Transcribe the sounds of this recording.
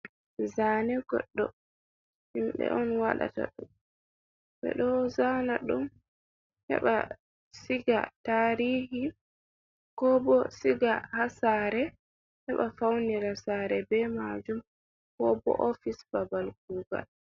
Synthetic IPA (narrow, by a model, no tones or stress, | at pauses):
zaːnɛɡɔ̰ɗːɔ | himbɛ̰ʔɔnwaɗa̰ta̰ɗum | ɓɛ̰ɗɔzanaɗum | hɛ̰ɓa̰ | siɡa̰taːɾiːhi | kɔbɔsiɡahasaːɾɛ | hɛɓafawniɾasaɾɛbɛmad͡ʒum | kɔbɔ̰ʔofisbabalkuɡa̰l